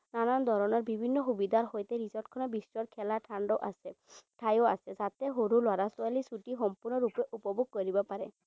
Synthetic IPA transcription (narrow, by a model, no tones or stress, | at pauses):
nanand̪ʱɔɹɔnɔɹbibʱinːɔxubid̪ʱaɹɦojt̪ɛɹizɔɹʈkʰɔnɔbisɹɔɹkʰɛlaʈʰaɳɖɔʔa̰sɛʈʰajoa̰sɛzat̪ɛɦoɾulwaɾasualisuʈixɔmpuɹnɔɹupɛʔupɔbʱuɡ̚kɔɹibɔpaɹɛ